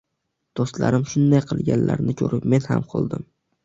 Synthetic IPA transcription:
d̪̥ost̪la̰ɾɪmʃʊnd̪ajqʰɨ̰lˠɡʲanla̰ɾnɪkʲʰɵɾʔɪpme̞nha̰mqʰo̰lˠd̪ɪm

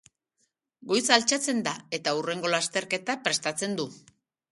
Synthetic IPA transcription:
ɡo̞jsalt͡ʃat͡se̞nd̪ae̞t̪aure̞ŋɡo̞last̪e̞ɾke̞t̪apɾe̞st̪at͡se̞nd̪u

